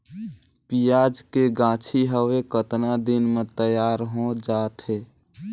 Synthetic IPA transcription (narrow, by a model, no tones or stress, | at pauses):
pijad͡ʒkeɡãːt͡ʃʰiɦəwekət̪nad̪inmet̪əjaːɾɦõd͡ʒaːt̪ɦe